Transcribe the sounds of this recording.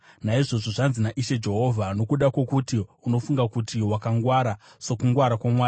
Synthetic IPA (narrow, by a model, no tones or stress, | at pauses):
naiʐo̞ʐoʐanzinaʔiʃe̞d͡ʒe̞ɦo̞vʱano̞kuɗako̞kutiuno̞fuŋɡakutiwakaŋɡwaɾa | so̞kuŋɡwaɾakwamwaːju